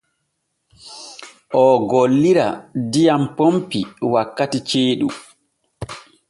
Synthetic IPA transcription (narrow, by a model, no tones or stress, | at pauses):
ʔɔɡolːiɾa̰dijampompiwakːatit͡ʃeːɗu